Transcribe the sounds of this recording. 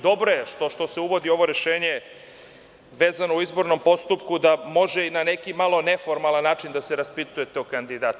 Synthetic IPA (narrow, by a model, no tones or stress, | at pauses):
d̪o̞bɾojeʃt̪oʃt̪o̞seuʋo̞d̪io̞ʋo̞ɾe̞ʃe̞ːɲe | ʋe̞ːzano̞uizbo̞ɾno̞mpo̞st̪upkud̪amo̞ʒeinane̞kimalˠo̞ne̞foɾmalˠanːaːt͡ʃind̪aseɾaspit̪uje̞t̪eokand̪id̪at̪